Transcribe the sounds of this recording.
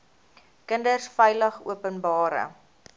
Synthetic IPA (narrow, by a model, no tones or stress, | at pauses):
kəndərsfɛjləχṵəpənbɑːɾə̰